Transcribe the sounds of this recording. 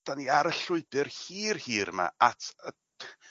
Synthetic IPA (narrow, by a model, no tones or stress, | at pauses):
d̥aniaɾəɬʊɨbɨrhiːrhiːɾma̰atʰə